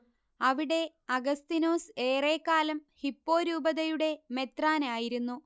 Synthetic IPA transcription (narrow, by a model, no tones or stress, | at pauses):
ɐʋiɽe̞ | ɐɡɐst̪inoːse̞ːre̞ːkːaːlɐmhipːo̞ːɾuːbɐðɐjuɽe̞me̞t̪raːnaːjiɾunːu